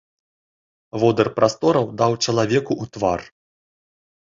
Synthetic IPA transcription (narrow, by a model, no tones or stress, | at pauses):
vɔd̪ɐrpɾast̪ɔɾɐwd̪awt͡ʂɐlˠavʲɛkuʔut̪var